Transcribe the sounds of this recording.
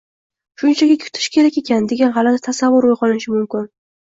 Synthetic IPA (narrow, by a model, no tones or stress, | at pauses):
ʃʊnt͡ʃʰaɡʲakʲʰʊ̥t̪ʰɪ̥ʃkʲʰe̞ɾakʲe̞kʲʰand̪e̞ɡʲanɦalad̪at̪ʰasavːʊɾojqɒnɪʃɪmʊmkʲɪn